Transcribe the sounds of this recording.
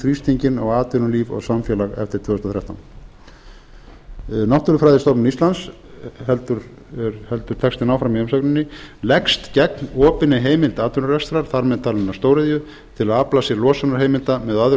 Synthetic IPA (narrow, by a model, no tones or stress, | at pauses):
θɾist̪ʰiɲcɪnɔɣaːt̪ʏnʏliːvɔ̰ɣsamfjɛːlaɣɛ̰ft̪ɪɾ̥t̪ʰvʏːhʏst̪aθɾjawht̪an | nɔht̪ʏɾʏfɾaːjðɪst̪ɔpnʏnist̪lans | hɛlt̪ʏɾ | ɾhɛlt̪ʏ̥t̪ʰɛkst̪ɪnaːwfɾamiʏmsaknɪnːɪlɛkst̪cɛknɔːpɪnɪɦeːjmɪlt̪aːt̪ʏnʏɾɛst̪ɾaɾ̥θaɾmɛðt̪ʰaːlɪnːast̪oːwɾɪðjʏ | t̪ʰɪlaðaplasjɛɾlɔːsanaɾ̥ɦeːjmɪlt̪amɛðað